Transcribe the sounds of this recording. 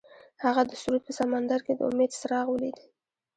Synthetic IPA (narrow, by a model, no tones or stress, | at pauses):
haɣad̪əsuɾud̪̚pəsamand̪aɾked̪əʊ̰med̪səɾɑɣwəlid̪i